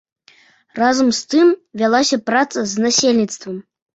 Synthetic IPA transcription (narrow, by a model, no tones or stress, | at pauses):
razɐmst̪ɨmvʲalˠasʲɐpɾat̪sɐzʲnasʲelʲnʲit̪st̪vɐm